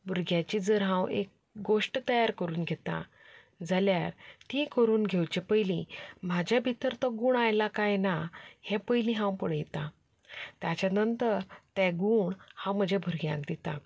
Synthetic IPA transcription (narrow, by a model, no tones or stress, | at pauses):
bʱuɾɡjat͡ɕid͡zəɾɦãwek̚ | ɡoʂʈt̪əjaɾkəɾuːnɡʱet̪a̰ | d͡zʱaljaɾtikəɾuːnɡʱewt͡ɕepəjlĩm̤ad͡ʑʱjabʱit̪əɾt̪ɔɡuːɳajlakajnahɛ̃pəjlĩɦãwpəɽəjt̪a | t̪jat͡ɕanənt̪əɾt̪ɛɡuːɳhãwm̤əd͡ʑʱabʱuɾɡjã̰kd̪it̪a̰